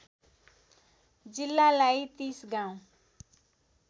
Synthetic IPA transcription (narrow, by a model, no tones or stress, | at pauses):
d͡zilːalajt̪isɡaw̃